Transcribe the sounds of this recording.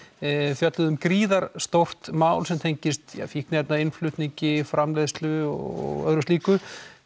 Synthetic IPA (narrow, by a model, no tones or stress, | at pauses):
fjœt̪lʏðʏmkɾiːðaɾ̥st̪owr̥t̪maːwlsɛmt̪ʰejɲcɪst̪ja̰fik̚nɛp̪naɪnflʏht̪niɲcɪfɾamleðst̪lʏɔ̰ɔ̰ɣœ̰ðɾʏst̪iːkʏ